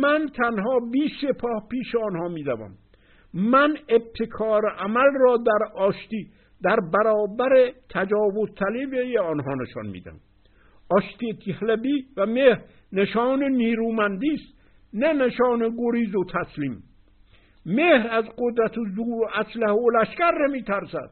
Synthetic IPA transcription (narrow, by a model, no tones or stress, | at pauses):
mænt̪ʰænɦɒːbiːsepʰɒːhpiːʃeɒːnhɒːmiːd̪ævæ̰m | mæneb̚t̪ʰekʰɒːɾeʔæmælrɒːd̪æɾɒːʃt̪iː | d̪æɾbæɾɒːbæɾet̪ʰæd͡ʒɒːvozt̪ʰælebejeɒːnɦɒːneʃɒ̰nmḭːd̪æ̰m | ʔɒːʃt̪it̪ʰihlæbiːvæmehɾ | neʃɒːneniːɾuːmænd̪iːst̪ | neneʃɒːneɡoɾiːzot̪ʰæsliːmː | eːhɾæzɡod̪ɾæt̪ʰozuːɾæslæholæʃkæɾnemiːt̪ʰæɾsæd̪̥̚